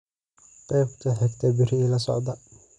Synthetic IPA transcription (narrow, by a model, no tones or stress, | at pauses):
qɛːbkʰɐɦɛɡt̪ʰɐbɪɾɛlɐsɔ̰ʕd̪ɐ